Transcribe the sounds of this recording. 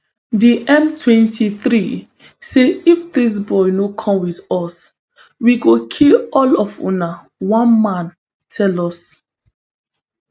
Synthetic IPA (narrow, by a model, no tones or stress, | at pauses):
diʔɛ̃mtʰwɛ̃ntʰiθɾi | seifdis̬bɔjnokʰɔ̃mwiðɔs | wiɡokʰilɔlɔfṵ̃na | wɔ̃nmãn | tʰɛlɔs